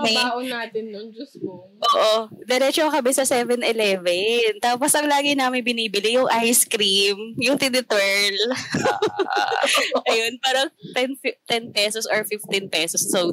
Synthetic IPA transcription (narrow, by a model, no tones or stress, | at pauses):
ɛaːʔonaːt̪ɪnːond͡ʒʊsko | ʔoːʔod̪ɛɾɛt͡ʃokɐmɛsɐsɛvɛnʔɪlɛvɛnt̪aːposʔɐŋlaːɡɪnaːmɪnbɪniːbɪlijʊŋʔajskɾimjʊŋt̪ɪnɪt̪wɛɹl | ʔɐjonpaːɾɐŋt̪ɛnft̪ɛnpɛsosɔɹfɪft̪ɪnpɛːsɔsːo